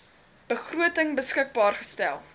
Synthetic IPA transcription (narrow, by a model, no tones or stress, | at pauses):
b̥əχruətəŋbəskək̚bɑːrχə̥stælˠ